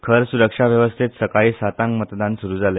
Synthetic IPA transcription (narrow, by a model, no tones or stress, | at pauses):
kʰəɾsuɾəkʂaʋjəʋəst̪ʰet̪səkaɭiːsat̪aŋkmət̪d̪ãnsuɾuːd͡zale